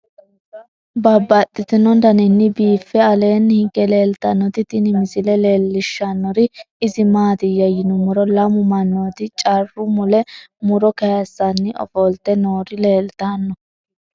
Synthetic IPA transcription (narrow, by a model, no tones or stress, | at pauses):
bɐbːɐt̪ʼːɪt̪ɪnɔnd̪ɐnɪnːɪbiːfːɛɐle̞ːnːhɪɡːɛle̞ːlt̪ɐnːɔt̪ɪt̪ɪnɪmɪsɪlɛleːlːɪʃːɐnːɔɾɪ | ɪzɪmaːt̪ɪjɐjɪnʊmʊɾɔlɐmʊmɐnːot̪ɪt͡ʃʼɐrːʊmʊlɛmʊɾɔkɐjɐsːɐnːɪɔ̰fɔlt̪ːɛnoːɾɪle̞ːlt̪anːɔ